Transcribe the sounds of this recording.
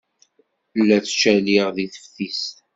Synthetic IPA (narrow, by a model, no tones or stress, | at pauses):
lːæt͡sːt͡ʃæliʁðiθə̥fθist̪